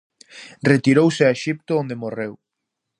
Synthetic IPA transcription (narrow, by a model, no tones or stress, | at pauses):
ret̪iɾowsɪaeʃip̚t̪ʊond̪emorew